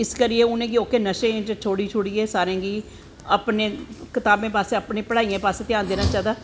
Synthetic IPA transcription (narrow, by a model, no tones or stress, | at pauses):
ɪskəɾɪeːʊnẽːɡiːoːkeːnəʃẽt͡ʃt͡ʃʰoːɽiːt͡ʃʰʊːɽiːeːsaːɾẽːɡiː | əpnẽːkɪt̪aːbẽːpaːseəpnẽːpəɽaːijẽːpaːseːt̪ɪjaːnd̪eːnaːt͡ʃaːd̪aː